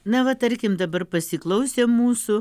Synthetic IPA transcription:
nɐʋɐt̪ɐɾʲkʲɪmd̪ɐbɐrpɐsʲɪklˠɐʊsʲeːmmuːsʊ

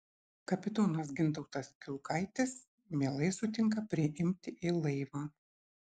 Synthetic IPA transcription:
kɐpʲɪt̪oːnɐs̬ɡʲɪnˑt̪ɐʊt̪ɐskʲʊlˠkʰɐɪt̪ʲɪs | mʲeɛlˠɐɪsʊt̪ʲɪŋkɐpʲɾʲɪʔɪmʲt̪ʲɪɪlˠɐɪʋɑː

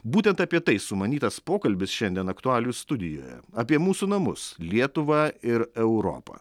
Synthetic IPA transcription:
buːt̪ʲɛnt̪ɐːpʲiɛt̪ɐɪsʊmɐnʲiːt̪ɐspoːkɐlʲbʲɪsʃʲɛnʲd̪ʲiɛnɐkt̪ʊɑːlʲʊst̪ʊd̪ʲɪjo̰ːjɛ̰ɐpʲiɛmuːsuːnɐmʊ̰slʲiɛt̪ʊʋɐɪɾɛʊɾɔ̰ːpɐ̰ː

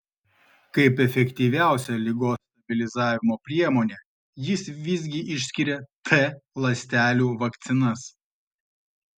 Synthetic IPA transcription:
kɐɪpɛfʲɛkʲt̪ʲiːʋʲæˑʊsʲɛlʲɪɡoːst̪ɐbʲɪlʲɪzɑːʋʲɪmoːpʲɾʲiɛmoːnʲeː | jɪsʋʲɪzʲɡʲɪʔɪʃʲsʲkʲɪɾʲɛt̪ʰɛlˠɐsʲt̪ʲæːlʲuːʋɐkt̪sʲɪnɐs

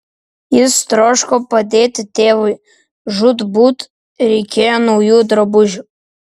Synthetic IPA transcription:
jɪst̪ɾɔʃkɔpɐd̪ʲeːt̪ʲɪt̪ʲeːʋʊj | ʒʊt̪but̪ | ɾʲɛkʲejɛnɔwjuːd̪ɾɐbʊʒʲʊ

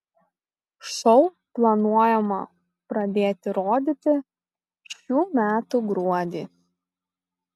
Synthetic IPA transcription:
ʃɔʊ | plˠɐnuɔjɛmɐ | pɾɐd̪ʲeːt̪ʲɪɾoːd̪ʲɪt̪ʲɪ | ʃʲuːmʲæːt̪uɡɾuɔd̪ʲiː

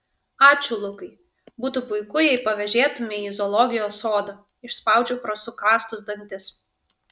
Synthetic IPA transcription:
ɑːt͡ʃʲʊlˠʊkɐɪ | buːt̪upʊɪkʊjɛɪpɐʋʲɛʒʲeːt̪ʊmʲɪiːzɔlˠɔɡʲɪjoːsoːd̪ɐ | ɪʃspɐˑʊd͡ʒʲuːpɾɔsʊkɑːst̪ʊsd̪ɐnʲt̪ʲɪs

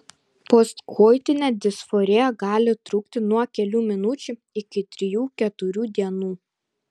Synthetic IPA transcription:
pɔst̪kʰɔːjt̪ʲɪnʲɛd̪ʲɪsfɔɾʲejɛɡɑːlʲɪt̪ɾʊːk̚t̪ʲɪnuɔkʲɛlʲuːmʲɪnʊt͡ʃʲu | ɪkʲɪt̪ʲɾʲɪjuːkʲɛt̪ʊɾʲuːd̪ʲiɛnuː

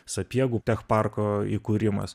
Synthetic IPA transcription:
sɐpʲiɛɡut̪ʲɛxpɑrkoːikuːɾʲɪmɐ̰s

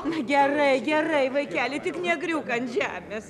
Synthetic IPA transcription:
nʊɡʲɛrɐɪɡʲɛrɐɪʋɐɪkʲæːlʲɪt̪ʲɪknʲɛɡɾʲuːkɐnʒʲæːmʲeːs

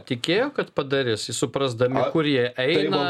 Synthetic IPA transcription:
t̪ʲɪkʲeːjoːkɐt̪pɐd̪ɐɾʲeːsɪsʊpɾɐzd̪ɐmʲɪkʊɾjiɛʔɛɪnɐ

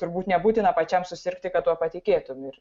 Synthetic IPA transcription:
t̪ʊɾbuːt̪nʲɛbuːt̪ʲɪnɐpɐt͡ʃʲɛmsʊsʲɪɾkt̪ʲɪkɐt̪t̪ːuɔpɐt̪ʲɪkʲeːt̪ʊmɪr

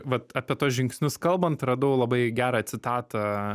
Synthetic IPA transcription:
ʋɐt̪ɑːpʲiɛt̪oːsʒʲɪŋksʲnʲʊskɐlˠbɐnt̪rɐd̪ɐʊlˠɐbɐɪɡʲæːɾɐɐtʲsʲɪt̪ɑːt̪ɐ

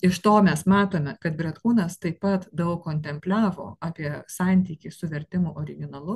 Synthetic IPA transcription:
ɪʃt̪oːmʲɛsmɑːt̪oːmʲɛkɐt̪bʲɾʲɛt̪kuːnɐst̪ɐɪppɐt̪d̪ɐʊkkːoːnʲt̪ʲɛmʲpʲlʲɑːʋo̰ːɑːpʲiɛsɑˑnʲt̪ʲiːkʲiːsʊʋʲɛɾʲt̪ʲɪmʊʔoːɾʲɪɡʲɪnɐlˠʊ

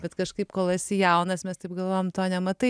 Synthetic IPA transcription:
bʲɛt̪kɐʃkɐɪpkoːlˠɐsʲɪjɛʊnɐsmʲɛst̪ɐɪp̚ɡɐlˠʋoːjomt̪oːnʲɛmɐt̪ɐɪ

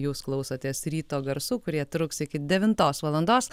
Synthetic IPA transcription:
juːsklˠɐʊsɐt̪ʲeːsɾʲiːt̪oːɡɐɾsuːkʊɾʲiɛt̪ɾʊksɪkʲɪd̪ʲɛʋʲɪnt̪oːsʋɐlˠɐnd̪oːs

